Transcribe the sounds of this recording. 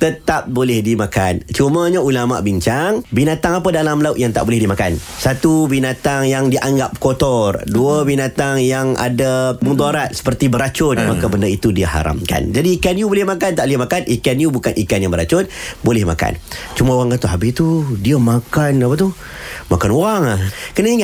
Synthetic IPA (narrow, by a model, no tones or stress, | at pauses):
t̪ət̪ap̚bolɪhdimakant͡ʃuməɲaulama̰ʔbiɲt͡ʃaŋbinat̪aŋapədalamlauʔjaŋt̪a̰ʔbolɪhdimakan | sat̪ubinat̪aŋjaŋdiʔaŋɡap̚kot̪ɔrduəbinat̪aŋjaŋa̰damud̪aɾat̪̚sə̥pərt̪ibəɾat͡ʃʊt̪makabəndəit̪udiəha̰ɾa̰mka̰nd͡ʒadiːkanjubolɪhmakant̪aʔlihmakanikanjubukanʔikanjabəɾat͡ʃʊt̪̚bolɛhma̰ka̰nt͡ʃumãoɣaŋkant̪uɦabɪst̪udiəmakanapat̪uh | makanoɣaŋahkənaiŋa